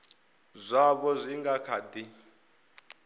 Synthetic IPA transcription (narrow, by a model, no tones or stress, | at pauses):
zʷaβɔzʷiŋɡakʰadi